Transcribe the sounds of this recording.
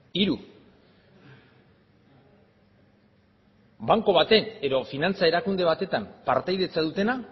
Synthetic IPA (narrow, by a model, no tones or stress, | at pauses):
iɾu | βaŋko̞βat̪e̞ne̞ðo̞finant͡saeɾakund̪e̞β̞at̪e̞t̪ampaɾt̪ajðe̞t͡saðut̪e̞na